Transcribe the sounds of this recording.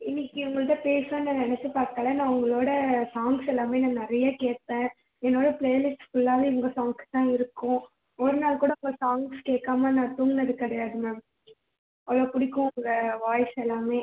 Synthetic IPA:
ɪnːɪkːiʊŋɡɐɭɯt̪ːɐpeːsɐ̃nːɐnɛnɛt͡ʃːɯpaːɾt̪ɐːlːɐnːãːʊŋɡɐɭoːɽɐsaːŋɡsɛlːaːmeːnãːnɐɾɐjaːkeːt̪ːẽː | ɛnːoːɽɐpɭejɐlɪsʈfʊɭːaːʋeːʋɐŋɡɐsaːŋɡst̪ãːɪɾɯkːʊ̃ | ɔɾɯnaːlkuːɽɐʊŋɡɐsaːŋɡskeːkːaːmaːnãːt̪uːŋnɐðɯkɐɽɐjaːɽɯnɐ̃ː | ɐɭoːpʊɽɪkːʊ̃ʊŋɡɐʋaːjsɛlːaːmeː

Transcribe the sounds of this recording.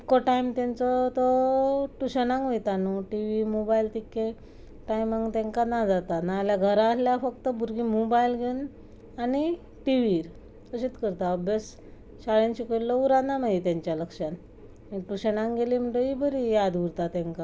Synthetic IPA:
ikːɔʈaimt̪jãnt͡sɔt̪ɔʈuɕənãŋkejt̪anuʈiʋimobailt̪ikːẽ | ʈajmãŋɡt̪ɛ̃ŋkanad͡zat̪anaːljaɡʱəɾaəsljafəkt̪əbuɾɡimobailɡʱen | ani | ʈiʋiɾ | əɕit̪kəɾt̪aəbjəs | ɕaɭẽnɕikəʈlɔuɾanamait̪jãɲt͡ɕjaləkʂan | ĩʈuɕənãŋɡelim̤əɳʈ̪əibʱəɾijad̪uɾt̪at̪ɛ̃ŋka

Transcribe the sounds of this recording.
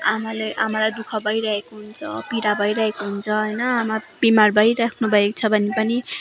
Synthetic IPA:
amaleʔamalajd̪ukʰʌbʱʌjɾʌɦekoɦunt͡sʰʌpiɾabʱʌjɾʌɦekoɦunt͡sʰʌɦʌjnʌamab̥imarbʱʌjɾakʰnubʱʌekt͡sʰʌbʱʌnepʌni

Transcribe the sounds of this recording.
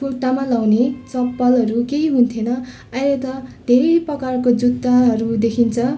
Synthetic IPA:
oʈːamalawnet͡sʌpːʌlɦʌɾukeiɦunt̪ʰenʌ | ajlet̪ʌd̪ʱeɾejprʌkarkod͡zud̪aɦʌɾud̪ekʰint͡sʰʌ

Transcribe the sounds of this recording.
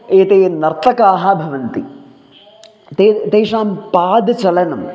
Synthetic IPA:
eːt̪eːnɐɾt̪ʰɐkaːɦɐ̆bʱɐʋɐnt̪i | t̪eːt̪eːʂaːmpaːd̪t͡ʃɐlɐnɐm

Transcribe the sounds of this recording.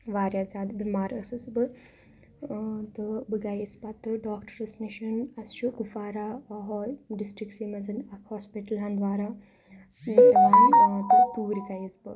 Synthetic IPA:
ʋaːɾjat͡saːd̪bimaːɾɐsɨsbɨ | t̪ɨbɨɡajisbat̪ɨɖaːkʈɐɾɐsniʃɐnɐsʃukufaːɾaːɐɦɖisʈɾiksiːmɐzɐnɐkhoːspiʈɐlaːnd̪ʋaːɾa | mit̪ʲɐmaːnt̪ɨp̪uːɾikajisbɨ

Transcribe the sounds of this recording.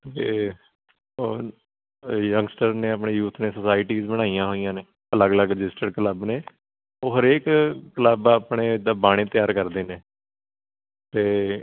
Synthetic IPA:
t̪eː | o | jəŋɡsʈəɾneːap̬ɳeːjuːt̪ʰneːsəsaːɪʈiːzbəɽ̃aːijãːɦoːijãːneː | ələɡələɡɾɪd͡ʒɪsʈəɖkələbneː | oːɦəɾeːkːələbaːpɽeːd̪aːbaːɽ̃eːt̪ɪjaːɾkəɾd̪eːneː | t̪eː

